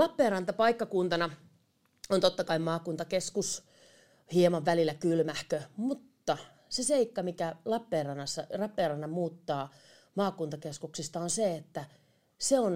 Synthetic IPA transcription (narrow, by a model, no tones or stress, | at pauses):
lɑpːeːrɑnt̪ɑpɑikːɑkunt̪ɑnɑ | ont̪ot̪ːɑkɑimmɑːkunt̪ɑkeskus | hiemɑʋʋælilːækylmæhkømut̪ːɑ | seseikːɑmikælɑpːeːrɑnːɑsːɑrɑpːeːrɑnːɑmuːt̪ːɑː | mɑːkunt̪ɑkeskuksist̪ɑonseet̪ːæ | seon